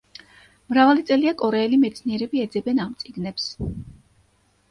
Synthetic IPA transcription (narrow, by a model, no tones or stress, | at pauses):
mɾavalit̪sʼɛliakʼɔɾɛːlimɛt̪sʰniɛɾɛbiɛd̪zɛbɛnamt̪sʼiɡnɛps